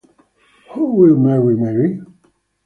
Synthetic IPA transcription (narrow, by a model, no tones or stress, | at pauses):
howɪlˠmɛɹimɛɹi